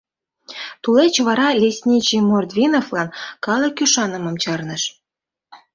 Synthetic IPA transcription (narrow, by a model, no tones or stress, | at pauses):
t̪ulet͡ɕβɑɾɑlʲesʲnʲit͡ɕimord̪vʲinoflɑnkɑlˠə̆kyʃɑnə̆mɤ̆mt͡ɕɑrnə̆ʃ